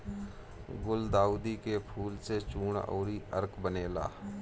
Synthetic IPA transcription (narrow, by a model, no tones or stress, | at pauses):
ɡʊld̪aːuːd̪ikepʰuːlset͡ʃuːɳo̰ːɾiə̰ɾkbəneːla̰ː